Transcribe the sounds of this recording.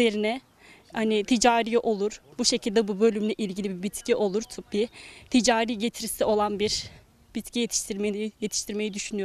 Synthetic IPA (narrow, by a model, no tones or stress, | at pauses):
eɾinɛ | hanit̪ʰid͡ʒaːɾijiʔo̞lˠuɾ̥buʃe̞cʰilʲd̪ɛbubø̞lʲymlʲɛʔilʲɟilʲibibit̪ciʔo̞lˠuɾt̪ʰyp̚bit̪ʰid͡ʒaːɾiːɟe̞t̪ʰiɾisio̞lˠanbiɾ | b̥it̪cije̞t̪ʰi̥ʃt̪ʰiɾmeje̞t̪ʰi̥ʃt̪ʰiɾme̞jid̪yʃynyjo